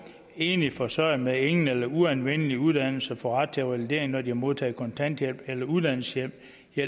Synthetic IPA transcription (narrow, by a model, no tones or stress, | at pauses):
e̝ːnifɒsɒɪ̰mee̝ŋn̩elɐuænʋen̰əliuðˠd̥æn̰l̩səfɒ̽ʁad̥̚t͡sʰeʋælid̥e̝̰ɐ̰e̝ŋnɒd̥ihɑmo̝ð̞ˠt͡sʰɛ̰ːkʰɒ̽nt͡sʰæn̰d̥jel̰b̥elɐuðˠd̥æn̰l̩səjem̰ | j